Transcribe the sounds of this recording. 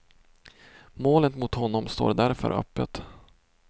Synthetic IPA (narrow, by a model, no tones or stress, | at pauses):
moːlət̪mʊt̪hɔnːɔmst̪o̰ːɖ̪æɾfœ̰ɾʔœ̰pːət̪